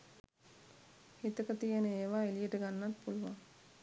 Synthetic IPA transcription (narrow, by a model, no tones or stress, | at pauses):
hit̪əkət̪ijənəeːʋaːilijəʈəɡanːat̪puluʋaŋ